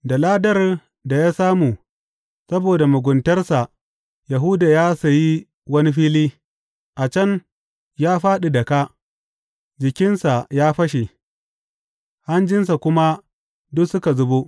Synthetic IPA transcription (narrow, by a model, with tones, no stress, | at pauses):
da˨laː˦dɐ˦r | da˨jaː˦saː˦muː˨ | sɐ˦boː˨da˨mʊ˨ɡʷʊ˨ntɐ˦rsa˨ʔ | ja˨ɦʊ˦daː˨jaː˦sa˨ji˦ | wɐ˦ni˦ɸiː˦liː˦ | ʔa˨t͡ʃɐ˦n | jaː˦ɸaː˦ɗi˨dɐ˨ka˦ | d͡ʒɪ˨kʲɪ˦nsa˨jaː˦ɸɐ˦ʃe˨ | ha˦nd͡ʒɪ˦ns̬a˨kʷʊ˦ma˦ | dʊ˦ksʊ˦ka˨zʊ˦bo˦